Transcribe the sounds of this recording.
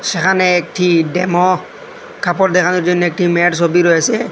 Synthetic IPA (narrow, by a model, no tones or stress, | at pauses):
sɛkʰanɛːk̚ʈʰidɛmɔ | kʰapɔd̪ɛkʰanɔd͡ʒɔnːɛk̚ʈʰimɛɖsobiɾojasɛ